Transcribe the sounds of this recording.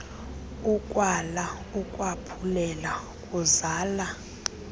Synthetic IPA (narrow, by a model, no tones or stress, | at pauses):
ukʼwala | ukʼwapʰulɛla | kʼuzaːla